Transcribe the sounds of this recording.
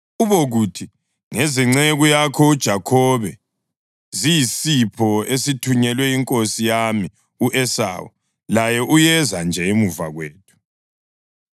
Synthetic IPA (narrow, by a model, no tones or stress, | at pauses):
uβoɣutʰi | ŋeziŋ͡ǀeɣujakʰɔud̥ʒ̥ʱakʰɔβɛ | zijisipʰɔesitʰuɲɛlwɛiŋkʼosijami | uʔɛsa̰ːwɔ̰ | lajɛʔujɛzand͡ʒʱɛemuva̰ɣweːt̚ʰu̥